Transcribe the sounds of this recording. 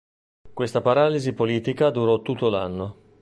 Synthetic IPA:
kwest̪apaɾaːlizipoliːt̪ikad̪uɾɔt̪ːut̪ːola̰nːo

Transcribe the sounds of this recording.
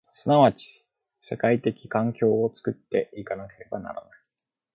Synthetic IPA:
sɨnaβat͡ɕi̥ | se̞kait̪e̞kʲi̥kãŋkʲo̞ːot͡sɨ̥kɯ̟t̪ːe̞ikanake̞ɾe̞bana̰ɾa̰nai

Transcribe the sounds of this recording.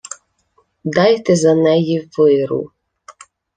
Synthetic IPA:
d̪ɑjt̪ɛzɐnɛjiʋɪɾṵ

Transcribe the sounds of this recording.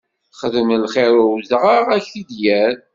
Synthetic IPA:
χəðmlχeɾʊwzʁəʁæçθid̪jæɾ

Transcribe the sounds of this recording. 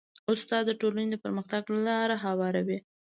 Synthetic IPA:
ʊst̪ɑd̪ːəʈolaned̪əpəɾməxt̪aɡlalɑɾaɦawɑɾawi

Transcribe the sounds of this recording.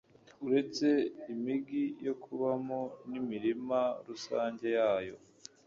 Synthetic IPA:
uɾe̞t͡se̞imiɡijo̞kʰuβamonimiɾimaɾusaːɲɟe̞jaːjo̞̰

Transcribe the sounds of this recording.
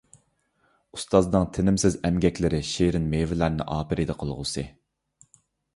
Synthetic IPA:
ust̪ɑznɨŋt̪ʰɪnɪmsɪzɛmɡʲɛkʲlɪɾɪʃeɾɪnmevɪlæɾnɪ̰ʔɑːpɪɾɪd̪ɛqʰəlˠʁʊ̰sɨ

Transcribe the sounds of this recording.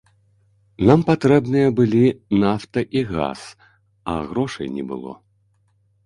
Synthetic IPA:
nampat̪ɾɛbnɨjɐbɨlʲinaft̪ɐʔiɣa̰s | ɐ̰ɣɾɔʂɐ̰jnʲɛ̰bɨ̰lˠɔ̰

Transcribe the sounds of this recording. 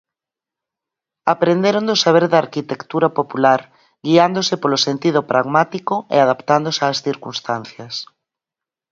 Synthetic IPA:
apɾend̪eɾond̪osaβ̞eɾðaɾkit̪ekt̪uɾapopulaɾ | ɡiand̪osɪpolosent̪iðʊpɾʔaɣmat̪ikoḛaðapt̪and̪osaːsθiɾkunst̪an̟θjɐs

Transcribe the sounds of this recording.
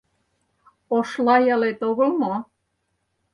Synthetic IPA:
oʃlɑjɑlet̪oɣə̆lmo

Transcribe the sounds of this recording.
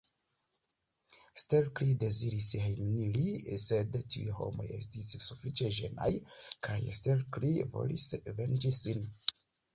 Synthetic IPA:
stelklide̞ziɾishejmnilise̞dtiṵho̞̰mo̞̰je̞̰stisːufit͡ʃe̞ʒe̞̰na̰jkʰajstelklivo̞̰lisve̞nd͡ʒisin

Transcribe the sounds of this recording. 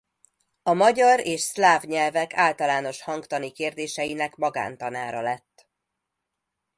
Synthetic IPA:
ɒmɒɟɒɾeːʃslaːvɲɛlvɛkaːlt̪ɒlaːno̞ʃhɒŋkt̪ɒnikeːrd̪eːʃɛjinɛkmɒɡa̰ːnt̪ɒnaːɾɒlɛt̪ː

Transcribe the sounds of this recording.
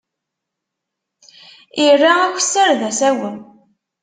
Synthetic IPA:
irːaækʷsəɾðæsæwən

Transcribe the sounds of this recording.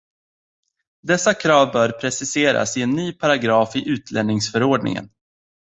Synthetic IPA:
d̪ɛsːakʰɾɑːvbœːɾpʰɾɛsɪseːɾa̰sɪɛnːyːpʰaɾaɡɾɑːfɪʔʉ̟ːt̪ʰlɛnɪŋsfœɾoːɖɳɪ̰ŋə̰n

